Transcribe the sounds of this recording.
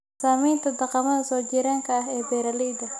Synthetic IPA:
saːmiːnt̪ʰɐd̪ɐqɑmɐðɐsɔːd͡ʒiɾaːŋkʰɐːɦɛːbɛːɾɐlɛjd̪ɐ

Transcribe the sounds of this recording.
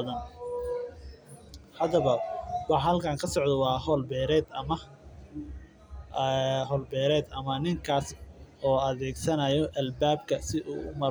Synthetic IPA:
ðɐn | hɐd̪ɐβɐwɑħɦɐlkʰaːŋkʰɐsɔʕd̪ɔwɑːɦɔːlbɛːɾɛːd̪ɐmɐ | ɦɔːlbɛːɾɛːd̪ɐmɐnɪŋkʰaːsɔːɐðɛːɡsɐnɐjɔʔɐlbaːb̚kʰɐsɪʔṵːʊ̰mɐ

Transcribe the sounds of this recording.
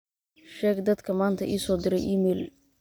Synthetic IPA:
ʃɛːɡd̪ɐd̪kʰɐmaːnt̪ʰɐʔḭːsɔːd̪ɪɾɛ̰jʔiːmɛːl

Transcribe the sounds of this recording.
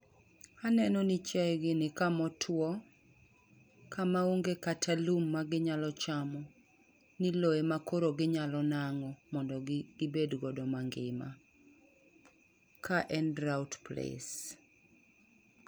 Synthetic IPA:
anɛnɔnɪt͡ʃaɛɡɪnɪkamɔtʰwɔ | kʰamauŋɡekatʰalumːaɡɪɲalɔt͡ʃamɔ | nɪloemakoɾoɡɪɲalɔnaŋɔmɔndɔibedɡɔdɔmaŋɡɪ̰ma̰ | kʰaʔɛndɾawtplḛs

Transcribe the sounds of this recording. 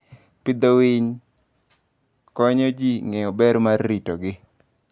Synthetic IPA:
pɪd̪owɪɲ | kɔɲɔd͡ʒiŋeɔbɛɾmarːitɔɡɪ

